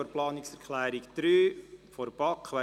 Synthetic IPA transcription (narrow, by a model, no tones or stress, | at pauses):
oɾplɑːniksɛɾkʰlæːɾikd̪̥ɾyːfoɾb̥ɑkːʋæ